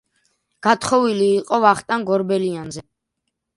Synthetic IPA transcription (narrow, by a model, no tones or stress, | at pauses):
ɡ̥at̪ʰχɔviliːqʼɔvaχt̪ʼanɡɔɾbɛlianzɛ